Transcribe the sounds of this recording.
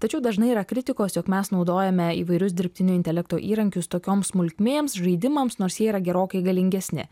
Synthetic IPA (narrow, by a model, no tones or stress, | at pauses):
t̪ɐt͡ʃʲɛʊd̪ɐʒnɐɪiɾɐkɾʲɪt̪ʲɪkoːsjoːkmʲɛsnɒʊd̪oːjɛmʲɛḭːʋɐɪɾʲʊs̬d̪ʲɪɾʲpʲt̪ʲɪnʲʊːɪnʲt̪ʲɛlʲɛkt̪oːʔiːɾɐŋʲkʲʊst̪oːkʲoːmsmʊlʲkʲmʲeːmsʒɐɪd̪ʲɪmɐmsnoːɾsjiɛiːɾɐɡʲɛɾoːkɐɪɡɐlʲɪŋʲɡʲɛssʲnʲɪ̰